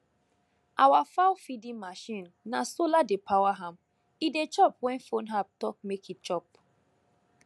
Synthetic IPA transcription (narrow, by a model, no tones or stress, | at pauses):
ʔawafaʊfidĩmaʃĩnːasoladepʰawaɦãm | idet͡ʃɔpwɛ̃nfõnɦap̚tɔk̚mekit͡ʃɔp̚